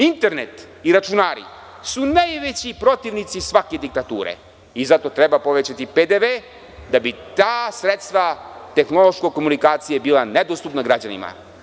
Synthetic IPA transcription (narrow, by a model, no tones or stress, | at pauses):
int̪ɛɾnɛt̪ | iɾat͡ʃunaɾḭ | sunajvɛt͡ɕipɾot̪ivnit̪sisʋaked̪ik̚t̪at̪uːɾɛ̰ | izat̪ot̪ɾɛbapoʋɛt͡ɕat̪ipɛd̪ɛvɛ | d̪abit̪aːsɾɛt̪st̪vat̪exnolˠoʃkokomunikaːt̪sijɛbilˠanɛd̪ost̪upnaɡɾad͡ʑanḭma̰